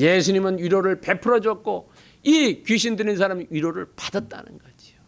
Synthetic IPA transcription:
jesʰuɲimɯnɥiɾoɾɯɭpe̞pʰɯɾʌd͡ʑʌk̚k͈o | ikiɕ̬ʰindɯɾinsʰaɾamiɥiɾoɾɯɭpadat̚t͈a̰nɯ̰nɡʌd͡ʑio

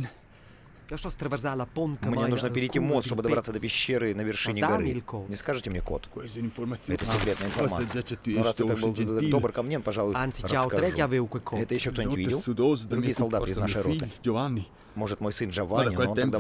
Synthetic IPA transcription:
kɔʃɔst̪ɾɐvʲɛrzalɐpont̪mnmʲenuʐnəpʲɪɾʲit̪ʲimost̪obɨd̪ɐbɾat̪səd̪əpʲɪɕːeɾɨnəvʲɪrʂɨnʲɪɡɐɾɨilkɔnʲɪskaʐɨtʲɪmɲʲekot̪kninfoɾmajɛt̪əsɪkɾʲet̪nəjɪnfɐma̰t̪ːnoɾast̪ɛt̪bɨlˠd̪dobɾkɐmnʲenpɐʐalˠujant̪siɾt͡ʃəaskɐɾɛavewkwɛkʰoɛt̪əjɪʃːokt̪onʲɪt̪ʲvʲidʲɪlˠd̪ozd̪ɾuɡʲijəsɐlˠd̪aɨiznaʂɨjɾoid̪ɨd͡ʒovanːi | moʐɨt̪mojsɨnʐɐvanʲɪnɛonːɡd̪a

